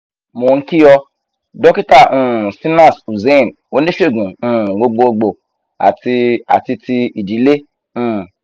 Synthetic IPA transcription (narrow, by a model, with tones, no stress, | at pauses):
mo˨n̩˦ki˦jɔ˧ | dɔ˦ki˦ta˦˨ũ˦˨si˦nã˦˨su˨ze˦˨n | o˦nĩ˦ʃe˦˨ɡũ˨ũ˦˨ɡ͡bo˧ɡ͡bo˧o˧ɡ͡bo˨ | a̰˨ti˧a̰˨ti˧ti˧i˨di˨˦le˦ | ũ˦˨